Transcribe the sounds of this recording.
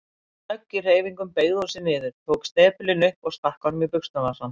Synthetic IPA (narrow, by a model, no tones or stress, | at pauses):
œcːɪr̥eːjviŋkʏmpeːjɣðosɪnɪːðɪɾt̪ʰoːwkst̪ɛːpʏlɪnʏhpɔɣskahkawnʏmipʏkst̪avasan